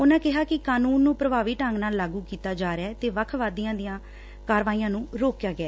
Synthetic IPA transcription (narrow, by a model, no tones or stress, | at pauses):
onãːkɪɦaːkɪkaːnuːnːũːpɾəbaːʋiːʈəŋɡnaːlːaːɡuːkiːt̪aːd͡ʒaːɾeɛːt̪eːʋəkʰʋaːd̪ijãːd̪ɪjãː | kaːɾʋaːiːjãːnũːɾoːkjaːɡɪɛː